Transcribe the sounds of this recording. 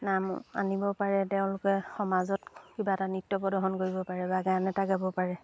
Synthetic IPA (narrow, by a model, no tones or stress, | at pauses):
nama̰nibɔpaɹɛteʊ̃lʊkɛxɔmazɔtkibatanitːɔpɔdɔɦɔnkoɹibɔpaɹɛbaɡaanɛtaɡabɔpaɹɛ